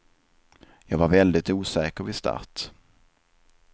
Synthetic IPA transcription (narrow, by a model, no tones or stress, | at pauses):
jɑːɡvaɾvɛld̪ɪt̪uːsɛːkəɾvɪst̪ʰa̰ɾt̪